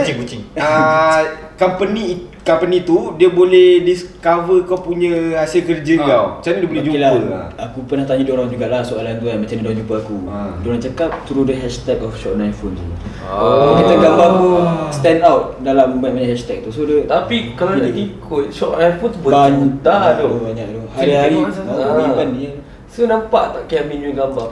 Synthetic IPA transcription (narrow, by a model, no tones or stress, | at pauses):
t͡ʃikut͡ʃiŋə | kampənĩkampənĩt̪udiəbolɛhdiskavəkawpuɲə̃asiəkərd͡ʒəɡat͡ʃanidiəbolɛd͡ʒuilaəakupərnaht̪aɲãdɔɾand͡ʒuɡaʔlahsoʔalant̪uanmat͡ʃanadɔd͡ʒumpəakudɔnant͡ʃakap̚t̪uɾudəɦɛʃt̪ɛk̚ɔfʃɔʔ̚najnfont̪u | kit̪aɡambakust̪ɛndawt̪̚dalaməbaiʔmaɲahɛʃt̪ɛk̚t̪usodət̪apikalaaikʰʊt̪̚ʃɔʔnajnfont̪ubəbant̪adbaɲaʔdɔhhaɾiaɾiaabaniə | sonampaʔt̪aʔkaaminuɡambaŋ